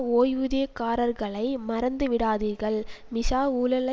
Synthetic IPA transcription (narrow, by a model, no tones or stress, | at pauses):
oːjʋɯðeɐkːaːɾɐɾɣɐɭɐɪmɐɾɐnd̪ɯʋɪɽaːðɪɾɣɐɭmɪʂaːuːlɐlɐ